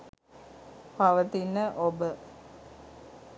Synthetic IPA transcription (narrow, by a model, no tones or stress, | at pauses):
paʋət̪inːəʔobə